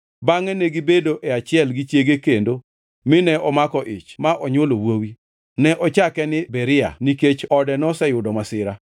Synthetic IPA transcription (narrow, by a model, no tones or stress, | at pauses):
baŋɛneɡibedoʔɛat͡ʃɪɛlɡit͡ʃjeɡekendo | mɪnɛʔɔmakɔʔɪ̰t͡ʃmaʔɔɲolowowi | nɛʔɔt͡ʃakɛnɪbɛɾɪa̰niket͡ʃɔdɛnɔsɛjʊdɔmasɪɾa